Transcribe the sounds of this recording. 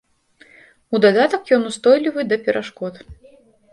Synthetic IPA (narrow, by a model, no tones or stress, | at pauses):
ud̪ad̪at̪ɐkjɔnust̪ɔjlʲivɨd̪ɐpʲɛɾʔaʂkɔt̪